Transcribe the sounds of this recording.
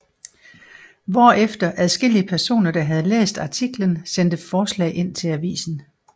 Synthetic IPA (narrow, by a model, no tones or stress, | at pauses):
ʋɒ̰ːefd̥ɐʔæð̞ˠsɡ̥e̝l̰iəpʰæɐso̝̰ːnɐd̥ɑ̈ɦæð̞ˠlḛːsd̥ɑ̈t͡sʰiɡ̥lənsend̥əfɒːslɛ̰ːɪʔe̝n̰t͡sʰe̝læʋḭːsn̩